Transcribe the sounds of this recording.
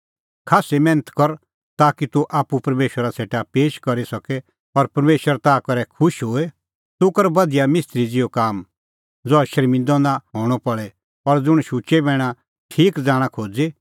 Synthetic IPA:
kʰaːsemɛ̃ːnət̪kɔɾ | t̪aːkit̪uʔaːpupɐɾmeːʃwəɾasʰeːʈapeːʃkɐɾisɐkɛ | ɔɾpɐɾmeːʃwəɾt̪aːkɐɾɛkʰʊʃɦoːe | t̪ʊkɐɾbɐd̪ijamɪst̪ɾid͡zɪjokaːm | d͡zɔɛʃɐɾmɪ̃nd̪ɔ̃nd̪aɦoːɽ̃ɔpɐɭɛ | ɔɾd͡zʊɽ̃ʃut͡ʃebɛːɽ̃ã | ʈʰiːkd͡zaːɽ̃ãkʰoːd͡zi

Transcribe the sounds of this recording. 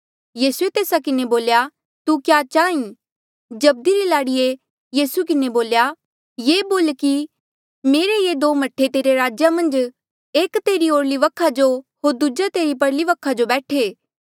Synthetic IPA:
jiːsuet̪eːsakɪneboːlja | t̪ukjat͡ʃaːĩ | d͡ʒɐb̚d̪iɾilaːɽije | jiːsuk̬ɪneboːlja | jeːboːlki | meːɾejed̪oːmɐʈʰːet̪eːɾeɾaːd͡ʒjamɐ̃nd͡ʒ | eːkt̪eːɾioːɽliʋɐkʰːad͡ʒohoːɾd̪ud͡ʒat̪eːɾipɐɽliʋɐkʰːad͡ʒobɛːʈʰeː

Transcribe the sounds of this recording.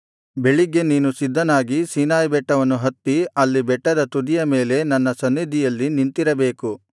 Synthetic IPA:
be̞ɭiɡe̞niːnusid̪ʱːɐnaːɡisiːnaːjbɛʈːɐʋɐnːuɦɐt̪ːiɐlːibɛʈːɐd̪ɐt̪ud̪ijɐmeːle̞nɐnːɐsɐnːid̪ʱijɐlːinint̪iɾɐbe̞ːku

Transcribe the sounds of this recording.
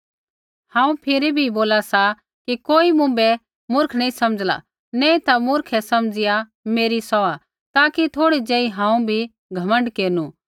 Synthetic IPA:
hãːũpʰɪɾibʱiboːlasa | kikoːimʊ̃bɛ | mʊɾkʰnɐĩsɐməd͡zla̰ | nɛ̃ːĩt̪amʊɾkʰɛsɐmd͡zɪja | meːɾisɔa | t̪aːkit̪ʰoːɽid͡ʒeːiɦãːũbʱi | ɡʱɐmə̃ɳɖkeːnu

